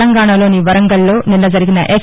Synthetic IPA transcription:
ɐŋɡaːɳaːlo̞ːniʋɐɾɐŋɡɐlːo̞ːnilːɐd͡ʒɐɾiɡinɐ̰ʔeːk

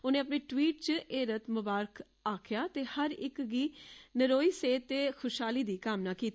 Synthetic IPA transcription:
ʊnẽːəpneːʈwiːʈ̚t͡ʃəeːɾət̪mʊbaːɾəkʰ | aːkʰɪjaːt̪eːhəɾɪkɡiːnəɾoːiːseːt̪ːeːxʰʊʃɦaːliːd̪iːkaːmnaːkiːt̪

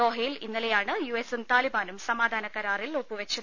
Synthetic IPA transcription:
o̞ːɦɐjilinːilejaːɳɨjuesumt̪aːlibaːnumsɐmaːd̪ʱaːnɐkːɐɾaːrilopːuʋet͡ɕːu

